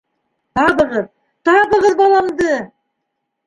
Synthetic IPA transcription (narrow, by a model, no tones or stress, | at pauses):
t̪ɑbəʁəð | t̪ʰɑbəʁəðbɑlˠɑmd̪ə